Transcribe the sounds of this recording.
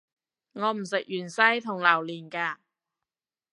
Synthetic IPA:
ŋɔː˨˧m̩˨˩sɪ˨k̚jyː˨˩nsɐ˥jt̪ʰʊ˨˩ŋlɐ˨˩wliː˨˩nkaː˧

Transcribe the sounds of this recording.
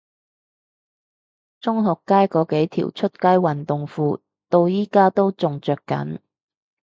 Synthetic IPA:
t͡sʊ˥ŋɦɔː˨kːaː˥jkɔː˨˧ke˨˥jt̪ʰḭ˨˩wt͡ʃʰɵ˥t̚kaː˥jwɐ˨nt̪ʊ˨ŋfuː˧ | t̪o˧wjiː˥kaː˥t̪o˥wt͡sʊ˨ŋt͡sœː˨kːɐ̰˨˥n

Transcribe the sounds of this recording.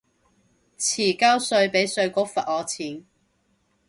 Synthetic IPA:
t͡sʰiː˨˩kaː˥wsɵ˧ɥpe˨˥jsɵ˧ɥko˥k̚fɐ˨t̚ɔː˨˧t͡sʰiː˨˥n

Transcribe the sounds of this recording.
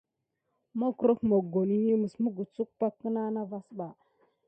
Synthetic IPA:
mo˦kɾo˦kmo˨ɡo˨ni˦ji˦mə˨smu˦ɡu˨t͡su˦k̚pa˦kːə˦na˦na˦va˦sɓa˨

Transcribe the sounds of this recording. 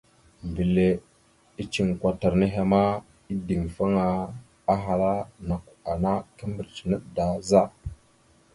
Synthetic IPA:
mbi˨le˨ | i˦t͡ʃi˨ŋkʷa˨ta˨ɾne˦ɦe˨ma˦ | i˦di˨ŋfa˦ŋa˨ | a˦ɦa˨ɾa˦na˨ka˨na˦kə˦mbə˨ɾt͡ʃi̥˨nə˦ɗda˨za˦

